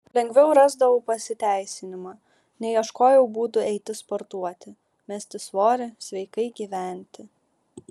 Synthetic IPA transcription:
lʲɛŋʲɡʲʋʲɛʊɾɑːzd̪ɐʋoʊpɐsʲɪt̪ʲæˑɪsʲɪnʲɪmɑː | nʲɛɪɐʃkoːjɛʊbuːt̪ʊɛɪt̪ʲɪspɔɾt̪uɔt̪ʲɪ | mʲɛsʲt̪ʲɪsʋoːɾʲɪsʲʋʲɛɪkɐɪɡʲiːʋʲæˑnʲt̪ʲɪ

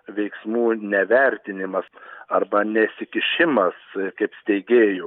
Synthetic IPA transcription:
ʋʲɛɪksmuːnʲɛʋʲɛɾʲt̪ʲɪnʲɪmɐsɐrbɐnʲɛsʲɪkʲɪʃʲɪmɐskɐɪpsʲt̪ʲɛɪɡʲeːjo

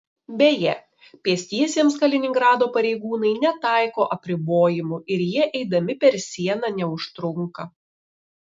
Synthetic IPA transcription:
bʲɛjɛ | pʲiɛsʲt̪ʲiɛsʲiɛmskɐlʲɪnʲɪŋɡɾɑːd̪oːpɐɾʲɛɪɡuːnɐɪnʲɛt̪ɑˑɪkoːʔɐpʲɾʲɪboːjɪmuɪɾjiɛʔɛɪd̪ɐmʲɪpʲɛɾsʲiɛnɑnʲɛʊʃt̪ɾʊŋkɐ

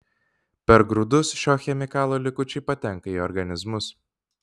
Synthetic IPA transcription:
pʲɛɾɡɾʊd̪ʊsʃʲoːxʲɛmʲɪkɑːlˠoːlʲɪkʊt͡ʃʲɛɪpɐt̪ʲɛŋˑkɐiɔɾɡɐnʲɪzmʊs

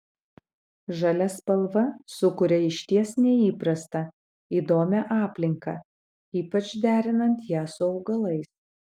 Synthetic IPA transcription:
ʒɐlʲɛspɐlˠʋɐsʊkʊɾʲɛɪʃʲt̪ʲiɛsnʲɛiːpɾɐst̪ɐ | iːd̪oːmʲɛʔɑːpʲlʲɪŋkɑ | iːpɐt͡ʃd̪ʲæːɾʲɪnɐnt̪jæːsʊɒʊɡɐlˠɐɪs

